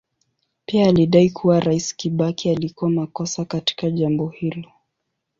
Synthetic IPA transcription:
piaːliɗaikʰuwaɾaiskiɓakialikuamakɔsakati̥kaʄambɔhilɔ

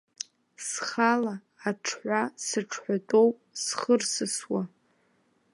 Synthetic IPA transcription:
sχalaː | ʈ͡ʂʰħʷasɨʈ͡ʂʰħʷatʼowpʼsχərsɨswa

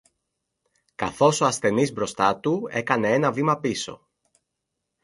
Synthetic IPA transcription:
kɐ̰θo̞so̞ɐsθe̞nizbɾo̞st̪ɐt̪ue̞kɐne̞e̞nɐvimɐpiso̞̰

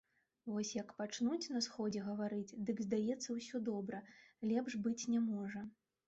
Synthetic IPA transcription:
vɔsʲjɐkpat͡ʂnut͡sʲnɐsxɔd͡zʲɛɣɐvaɾɨt͡sʲd̪ɨɡzd̪ajɛt̪sːɐwsʲɔd̪ɔbɾɐlʲɛpʐbɨt͡sʲnʲɛmɔʐɐ

